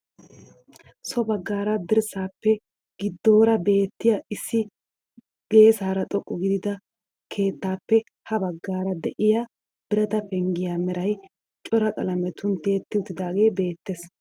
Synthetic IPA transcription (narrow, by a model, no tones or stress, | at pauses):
sɔbɐɡːaːɾɐd̪ɪɾsaːpːɛ | ɡ̥ɪd̪ːo̞ːɾɐbe̞ːt̪ːɪjaʔɪsːɪ | ɡ̥e̞ːsaːɾɐt̪ʼɔkʼːʊɡɪd̪ɪd̪ɐ | kʰe̞ːt̪ːaːpːɛ | hɐbɐɡːaːɾɐd̪ɛʔɪja | b̥ɪɾɐt̪ɐpɛŋɡɪjamɛɾɐj | t͡ʃʼɔɾɐkʼɐ̰lɐmɛt̪ʊnt̪e̞ːt̪ːɪʊt̪ːɪd̪aːɡe̞ːbe̞ːt̪ːeːs